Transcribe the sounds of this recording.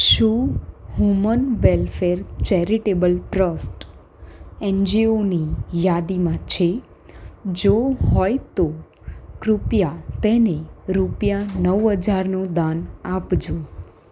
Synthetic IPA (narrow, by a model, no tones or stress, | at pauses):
ʃũɦumənʋelfeɾt͡ʃɛɾiʈebəlʈɾəsʈ | ɛnd͡ʒionijad̪imãt͡ʃʰe | d͡ʒoɦɔjt̪o | kɾupjat̪eneɾupjanəʋɦəd͡ʒaɾnod̪anapd͡ʒũ